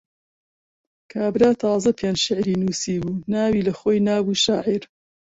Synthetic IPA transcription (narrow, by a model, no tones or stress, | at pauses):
kʰaːbɾaːt̪ʰɑːzɐpʰend͡ʒʃɪʕɾiːnuːsiːbuːnaːwiːlɐxoːjnaːbuːʃaːʕiɾ